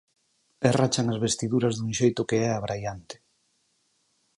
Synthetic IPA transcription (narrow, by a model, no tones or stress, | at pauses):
erat͡ʃaŋazβest̪iðuɾɐzðuŋʃejt̪ʊkeɛaβɾajant̪ɪ̥